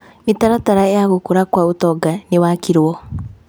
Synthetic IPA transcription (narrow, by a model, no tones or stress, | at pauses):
metaɾataɾaejaɣokoɾakwaotɔːɡanewakiɾwɔ